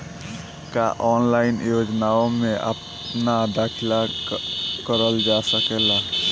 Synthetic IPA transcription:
ka̰ʔɔnlainjod͡ʒnaomẽʔa̰p | nad̪akʰila | kəɾəld͡ʒasəkela

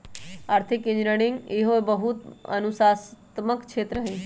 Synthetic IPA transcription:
aːɾt̪ʰikːĩɲd͡ʒɾəɽ̃iŋɡeɦoebəɦut̪ə̰nusast̪məkt͡ʃʰet̪ɾəɦẽ

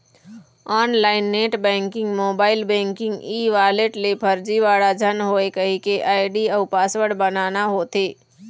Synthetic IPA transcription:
aːnlaːɪnːeːʈbɛ̃ːŋkɪ̃ŋɡmoːbaːɪlbɛ̃ːŋkɪ̃ŋɡiːʋaːleʈlepʰɐɾd͡ʒiʋaːɽad͡ʒʱənɦoːekəɦikeʔaːɪɖiɐʊpaːswəɽbɐnaːnaɦot̪eː

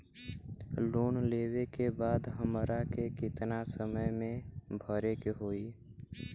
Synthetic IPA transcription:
loːnleːwekebaːd̪ɦəmɾakekɪt̪nasəməjmẽbʱəɾekeɦoːiː

